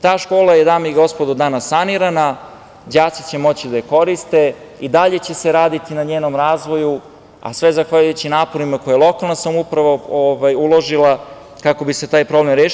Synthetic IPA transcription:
t̪aːʃko̞ːlˠajed̪aːmaiɡo̞spo̞d̪ud̪anasːaniɾana | d͡ʑaːt̪si̥t͡ɕe̞mo̞t͡ɕid̪ajeko̞ɾist̪e̞ | id̪aʎe̞t͡ɕe̞seɾaːd̪it̪inaɲeːnomɾaːzʋo̞ju | a̰sʋe̞zaxʋaʎujut͡ɕinaːpo̞ɾimako̞jajlˠo̞kalˠnasamupɾaʋooʋajulˠo̞ʒilˠa | kako̞bise̞t̪aːjpɾo̞ble̞mɾjeː

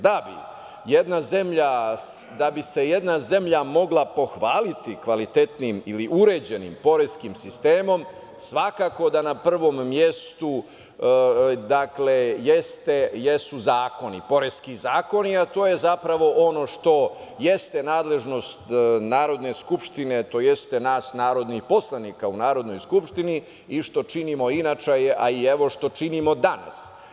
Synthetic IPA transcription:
d̪abḭ | jed̪nazemʎad̪abise̞je̞d̪naze̞mʎamo̞ɡlˠapo̞xʋaːlit̪ikʋalit̪e̞t̪nimiliʔuɾe̞ːd͡ʑe̞nḭmpo̞ɾeskimsist̪eːmo̞m | sʋakako̞d̪anapr̩ʋo̞mːje̞st̪u | d̪akle̞jest̪ejesuzaːko̞nḭpo̞ɾeskizaːko̞niat̪o̞ːjezapɾaʋo̞ʔo̞no̞ʂt̪o̞je̞st̪enaːd̪le̞ʒno̞st̪naːɾo̞d̪ne̞skupʂt̪ine̞t̪o̞jest̪e̞naːsnaːɾo̞d̪nixpo̞slˠanikaunaːɾo̞d̪no̞jskupʂt̪ini | iʃt̪o̞t͡ʃinimo̞inat͡ʃeʔaieʋo̞ʃt̪o̞t͡ʃinimo̞d̪ana̰s

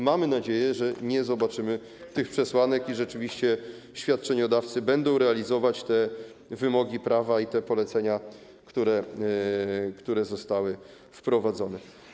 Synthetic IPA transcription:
mamɘnad͡ʑejɛʐɛɲɛzɔbat͡ʂɘmɘ | t̪ɘxpʂɛswanɛkiʐɛt͡ʂɘvʲiɕt͡ɕɛ | ɕfʲjat̪̚t͡ʂɛɲɔd̪aft̪sɘbɛnd̪ɔ̃w̃ɾɛalʲizɔvat͡ɕt̪ɛ | vɘmɔɡʲipɾavait̪ɛpɔlɛt̪sɛɲa | kt̪uɾɛ | kt̪uɾɛzɔst̪awɘ | fpɾɔvad̪zɔnɛ

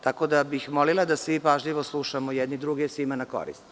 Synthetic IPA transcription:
t̪ako̞d̪abixmolilad̪asʋipaʒʎiʋo̞slˠuʃamojɛd̪nid̪ɾuɡesimanako̞̰ɾḭst̪

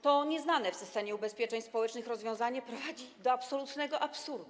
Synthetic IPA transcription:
t̪ɔɲɛznanɛfsɘst̪ɛmʲjɛubɛspʲjɛt͡ʂɛɲspɔwɛt͡ʂnɘxɾɔzvjɔ̃w̃zaɲɛpɾɔvad͡ʑid̪ɔapsɔlut̪nɛɡɔʔapsuɾd̪u

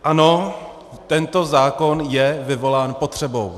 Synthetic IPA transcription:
ʔano̞ | t̪ɛnt̪o̞zaːko̞njɛvɪvo̞laːnpot̪r̝̥ɛbo̞w

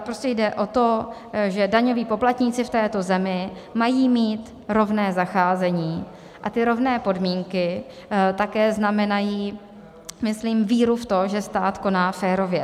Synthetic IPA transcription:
pɾoscɛjdɛʔo̞t̪o̞ | ʒɛdaɲo̞viːpo̞plat̪ɲiːt͡sɪft̪ɛːt̪o̞zɛmɪmajiːmiːt̪ | ɾo̞vnɛːzaxaːzɛɲiː | ʔat̪ɪɾo̞vnɛːpo̞dmiːŋkɪ | t̪akɛːznamɛnajiː | mɪsliːmviːɾuft̪o̞ʒɛst̪aːt̪ko̞naːfɛːɾo̞vjɛ

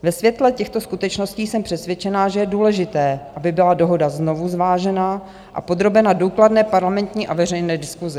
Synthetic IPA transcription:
vɛsvjɛt̪lɛcɛxt̪o̞skut̪ɛt͡ʃno̞sciːsɛmpr̝̥ɛsvjɛt͡ʃɛnaʒɛjɛduːlɛʒɪt̪ɛːʔabɪbɪlado̞ɦo̞dazno̞vuzvaːʒɛna | ʔa̰po̞d̪ɾo̞bɛnaduːkladnɛːpaɾlamɛnt̪ɲiːʔavɛrɛjnɛːdɪskuzɪ

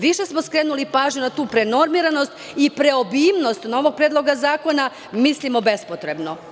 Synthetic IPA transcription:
ʋiʃe̞smoskɾe̞ːnulipaːʒɲunat̪uːpɾe̞no̞ɾmiɾano̞st̪ | ipɾe̞obiːmno̞st̪no̞ʋo̞ɡ̚pɾeːd̪lˠo̞ɡazaːko̞na | mislʲimobe̞spot̪ɾe̞bno̞

